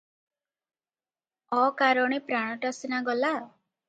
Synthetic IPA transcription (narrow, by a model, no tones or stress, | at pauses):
ɔkaɾɔɽ̃ipɾaɽ̃ɔʈasnaɡɔla